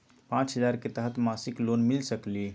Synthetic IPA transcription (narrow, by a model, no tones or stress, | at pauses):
pãt͡ʃɦəd͡ʒaɾket̪əɦət̪masiklonmilsəkli